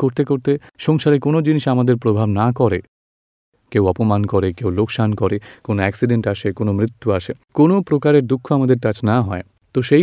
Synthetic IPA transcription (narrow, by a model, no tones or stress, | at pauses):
koɾt̪ekoɾt̪eʃɔŋʃaɾekonod͡ʑiniʃamad̪eɾpɾobʱabnakɔɾe | kewɔpomankoɾekewlokʃankɔɾekonoɛksiɖeɳʈaʃekonomɾit̪ːuaʃe | konopɾokaɾeɾd̪ukʰːoamad̪eɾkat͡ɕnaɦɔe | t̪oʃe